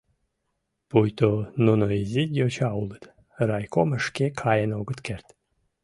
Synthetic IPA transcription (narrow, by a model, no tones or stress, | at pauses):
pujt̪onunoizʲidʲjot͡ɕɑulˠət̪ | ɾɑjkoməʃkʲekʰɑjənoɡət̪kert̪